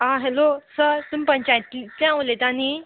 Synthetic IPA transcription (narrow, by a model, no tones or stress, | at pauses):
ãɦɛlosəɾt̪uːmpəɲt͡ɕajt̪it̪lãlet̪ani